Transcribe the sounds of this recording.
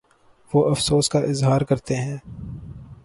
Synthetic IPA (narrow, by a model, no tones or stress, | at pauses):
ʋoːʔɐfsoːskaʔɪzɦaːɾkɐɾt̪eɦɛ̃ː